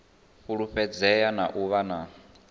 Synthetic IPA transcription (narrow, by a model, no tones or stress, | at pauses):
ɸuɺuɸɛd͡zɛjanaʔuβana